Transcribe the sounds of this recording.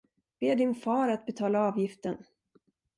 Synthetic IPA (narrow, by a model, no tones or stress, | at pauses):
b̥eːɖɪnfɑːɾat̪̚bɛt̪ʰɑːlaɑːvjɪft̪ən